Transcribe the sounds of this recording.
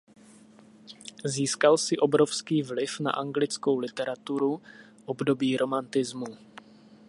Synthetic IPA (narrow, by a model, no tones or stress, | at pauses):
ziːskalsɪʔo̞bɾo̞fskiːvlɪfna̰ʔaŋɡlɪt͡sko̞wlɪt̪ɛɾat̪uɾu | ʔo̞bdo̞biːɾo̞mant̪ɪzmu